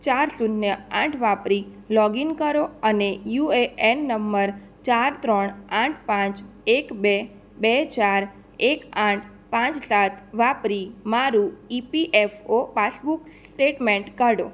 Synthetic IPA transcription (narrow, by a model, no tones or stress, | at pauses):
t͡ʃaɾsunnjəãʈʰʋapɾi | lɔɡinkəɾoənejueɛnːəmːəɾ | t͡ʃaɾt̪ɾɔɳãʈ̚ʰpãt͡ʃ | ekbe | bet͡ʃaɾ | ekãʈʰ | pãt͡ʃsat̪ʰʋapɾimaɾũipiʔɛfopasbuksʈeʈmẽɳʈkaɽo̰